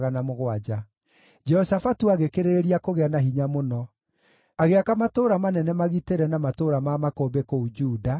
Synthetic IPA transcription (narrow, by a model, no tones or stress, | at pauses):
ɣanamoɣwad͡ʒa | d͡ʒɛhɔsafatuaɣekeɾeeɾiakoɣeanaɦiɲamonɔ | aɣeakamatoːɾamanɛnɛmaɣiteɾɛnamatoːɾamamakoːbekoud͡ʒuːda